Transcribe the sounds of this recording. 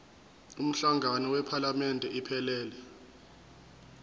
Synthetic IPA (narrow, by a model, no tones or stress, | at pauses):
um̩ɬaŋʱanɔwɛpʰalamɛndʱɛipʰɛlɛːlɛ